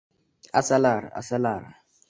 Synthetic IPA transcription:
asalaɾa̰a̰salaːɾa

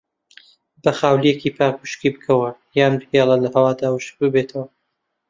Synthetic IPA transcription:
bɐxaːwlijekipʰaːkuʃkibɨkʰɐwɐjaːnbɨheːlˠɐlɐɦɐwaːd̪aːwɨʃ̚bɨbet̪ʰɐwɐ

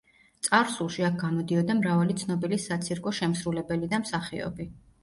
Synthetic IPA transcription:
t̪sʼaɾsulˠʃiak̚ɡamɔd̪iɔd̪amɾavalit̪sʰnɔbilisat̪sʰiɾkʼɔʃɛmsɾulɛbɛlid̪amsaχiɔ̰bi

